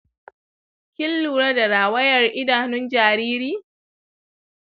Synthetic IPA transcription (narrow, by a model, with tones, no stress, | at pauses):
kʲɪ˦lːuː˨ɾa˦da˨ɾaː˨wɐ˦jɐ˨rʔɪ˦daː˨nʊ˦nd͡ʒaː˨ɾiː˦ɾiː˦